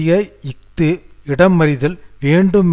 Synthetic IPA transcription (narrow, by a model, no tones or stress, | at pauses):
jɐɪk̚t̪ɯɪɽɐmːɐɾɪðɪlʋeːɳɖɯm